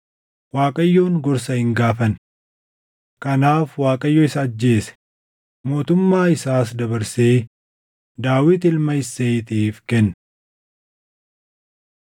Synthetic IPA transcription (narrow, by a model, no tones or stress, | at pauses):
waːkʼɐjːo̞ːŋɡɔɾs̬ɐhɪŋɡaːfɐn | kɐnaːfwaːkʼɐjːoːɪsɐːd͡ʒːe̞ːsɛ̥ | mo̞ːt̪ʊmːaːɪsaːsd̪ɐbɐɾseː | d̪aːwɪt̪ɪlmɐɪseːjt̪iːfkɛnː